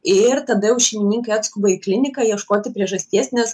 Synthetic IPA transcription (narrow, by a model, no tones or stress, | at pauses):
ɪɾt̪ɐd̪ɐjɛʊʃʲɛɪmʲɪnʲiːŋkɐɪɑːt̪skʊbɐɪklʲɪnʲɪkɐjiɛʃkoːt̪ʲɪpʲɾʲiɛʒɐsʲt̪ʲiɛsʲnʲɛs